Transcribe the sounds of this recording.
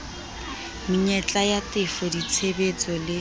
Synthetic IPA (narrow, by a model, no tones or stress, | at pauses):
miɲɛt͡ɬʼajatɪfɔdit͡sʰebet͡sʼɔlɪ